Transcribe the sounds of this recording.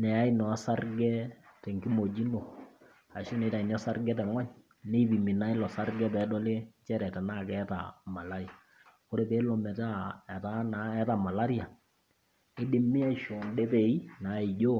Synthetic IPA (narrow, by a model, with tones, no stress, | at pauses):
nɛ˨a˦i˦nɔ˨a˦sa˦rɡɛ˦tɛ˨ŋki˦mo˨d͡ʒi˦no˨ | a˨ʃi˦ne˨˦ta˨i˨nɔ˦sa˦rɡɛ˦tɛ˨ŋɔ˦ɲ | ne˦i˦bi˨mi˨na˦i˦lɔ˨sa˦rɡɛ˦pɛː˨˦dɔ˦le˦t͡ʃɛ˦ɾɛ˨ta˨na˦˨kɛ˦ta̰˨ma˨la˦ɾi˨a˨ | ko˦ɾe˦peː˨˦lɔ˨mɛ˨ta˦ɛ˨ta˦na˨ɛ˦ta˨ma˨la˦ɾi˦a˨ | e˦de˦mːɪ˦a˦˨ʃo˨ndɛ˦pe˨i˦na˨˦e˨d͡ʒo˦